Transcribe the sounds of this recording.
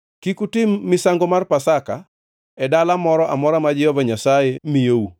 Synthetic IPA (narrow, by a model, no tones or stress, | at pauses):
kikutɪmːɪsaŋɡomarpasaka | ɛdalamɔɾɔʔamɔɾamad͡ʒɪɔvaɲasajemijeu